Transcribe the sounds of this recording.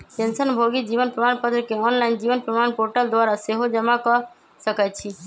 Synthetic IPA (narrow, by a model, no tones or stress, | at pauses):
t̪ensənbʱoɡid͡ʑibonpɾomanpɔt̪ɾokeɔnlajnd͡ʑibonpɾɔmanpoɾʈald̪oaɾaseɦod͡ʑɔmakɔɾ | ʃəkajt͡ɕʰi